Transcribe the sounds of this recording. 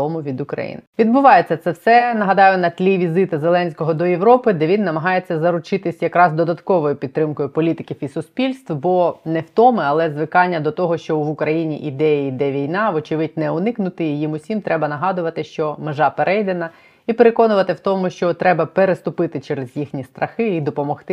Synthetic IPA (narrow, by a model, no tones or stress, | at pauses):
ɔmʊʋʲid̪ʊkɾɐ̰jḭnʋʲid̪bʊʋɑjet͡sʲːɐt̪sɛwsɛnɐɦɐd̪ɑjʊnɐt̪ʲlʲiʋʲizɪt̪ɐzelˠɛnʲsʲkɔɦɔd̪ɔjeʋɾɔpɪd̪ɛʋʲinːɐmɐɦɑjet͡sʲːɐzɐɾʊt͡ʃɪt̪ɪsʲjɐkɾɑzd̪ɔd̪ɐt̪kɔʋɔjʊpʲid̪̚ɾɪmkɔjʊpɔlʲit̪ɪkʲifisʊsʲpʲilʲst̪wbɔnɛwt̪ɔmɪɐlˠɛzʋɪkɑnʲːɐd̪ɔt̪ɔɦɔʃt͡ʃɔʋʊkɾɐjinʲḭʔid̪ɛjɐid̪ɛʋʲijnɑʋɔt͡ʃɪʋɪd̚ʲnɛʊnɪknʊt̪ɪjimʊsʲimt̪ɾʔɛbɐnɐɦɑd̪ʊʋɐt̪ɪʃt͡ʃɔmeʒɑpeɾʔɛjd̪enɐ | ipeɾe̞kɔnʊʋɐt̪ɪwt̪ɔmʊʃt͡ʃɔt̪ɾɛbɐpeɾest̪ʊpɪt̪ɪt͡ʃɛɾezjixnʲist̪ɾʔɐxɪid̪ɔpɔmɔxt̪ɪ